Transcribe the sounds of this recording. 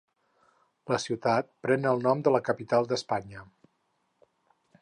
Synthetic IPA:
ləsiwt̪at̪̚pɾɛnəlˠnɔmd̪ələkəpit̪alˠd̪əspaɲə

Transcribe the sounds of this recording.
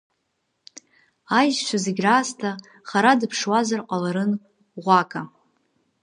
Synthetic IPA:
ajʒʃʷʰazeɡʲraːstʰa | χaɾadɨpʰʂwazarqʷʼalaɾɨn | ʁʷakʼa

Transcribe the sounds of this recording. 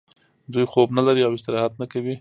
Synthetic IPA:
d̪ujxobnalaɾiawɪst̪ɪɾɑhat̪nakawi

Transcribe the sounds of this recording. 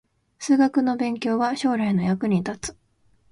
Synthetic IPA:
sɨːɡakɯ̟no̞bẽ̞ŋkʲo̞ːβaɕo̞ːɾaino̞jakɯ̟ɲ̟it̪at͡sɨ̥

